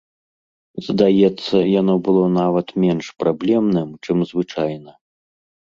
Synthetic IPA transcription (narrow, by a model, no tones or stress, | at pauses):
zd̪ajɛt̪sːɐjanɔbɨlˠɔnavɐt̪mʲɛnʂpɾablʲɛmnɨmt͡ʂɨmzvɨt͡ʂajnɐ